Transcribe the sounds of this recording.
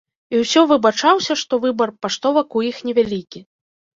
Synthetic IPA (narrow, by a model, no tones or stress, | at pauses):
iwsʲɔvɨbat͡ʂawsʲɐʂt̪ɔvɨbɐrpaʂt̪ɔvɐkujixnʲɛvʲalʲikʲi